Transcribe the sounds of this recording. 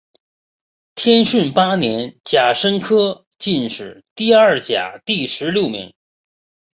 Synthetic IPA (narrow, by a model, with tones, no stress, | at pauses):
t̪ʰjɛ˥nʂi˥˩npa˥njɛ˧˥nt͡ɕja˨˩ʂə˥ŋkʰɤ˥ | t͡ɕi˥˧nʂɻ̩˨˩˦t̪i˥˧ɐ˞˥˩t͡ɕja̰˨˩t̪i˥˩ʂɻ̩˧˥ljo˥˩ʊmḭ˧˥ŋ